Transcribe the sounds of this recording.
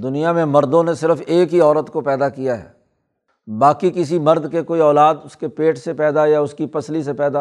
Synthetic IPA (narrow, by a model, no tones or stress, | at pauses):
d̪ʊnijamẽmɐɾd̪õnesɪɾəfeːkɦiɔːɾət̪kopɛːd̪akijaɦɛ̰ː | baːkikɪsimɐɾd̪kekoːiɔːlaːd̪ʊskepeːʈsepɛːd̪ajaʊskipɐslisepɛːd̪a